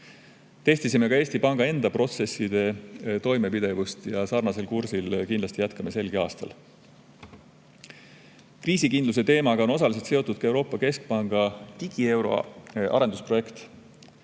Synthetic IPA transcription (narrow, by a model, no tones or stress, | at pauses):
t̪e̞st̪isimːe̞kɑe̞ːst̪ipɑŋɡ̥ɑe̞nd̪̥ɑpro̞t̪se̞sːid̪̥e̞t̪o̞jme̞pid̪̥e̞vust̪jɑsɑrnɑse̞lkuɾsilkind̪lɑst̪ijæt̪kɑme̞se̞lɡ̥iɑːst̪ɑ̰l | kriːsikind̪lus̬e̞t̪e̞ːmɑɡɑo̞no̞s̬ɑlise̞lt̪seo̞t̪ːˑud̪̥̚kɑe̞wɾo̞ːpːˑɑke̞sk̚pɑŋɡ̥ɑt̪iɡ̥ie̞wɾo̞̰ʔɑ̰ɾe̞nd̪̥uspro̞je̞kt̪